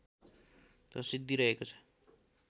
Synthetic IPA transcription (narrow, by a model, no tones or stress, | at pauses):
rʌsid̪ʱːiɾʌɦekot͡sʰʌ̥